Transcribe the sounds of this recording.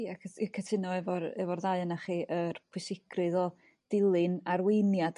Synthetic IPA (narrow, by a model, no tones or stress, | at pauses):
iakʰəkʰətʰɪnɔɛvɔɾɛ̰vɔrðaɨənaχiːʔərpʰwʊsɪɡrɨðɔ | d̥ɪlˠɨnarwejnjad